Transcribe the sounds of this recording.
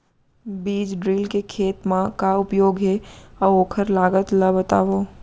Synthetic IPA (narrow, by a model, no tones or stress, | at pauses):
biːd͡ʒɖɾiːlkekʰeːt̪mãkaʊpjoːɡɦɛɔːoːkʰəɾlaːɡət̪ləbət̪a̰ːʋoː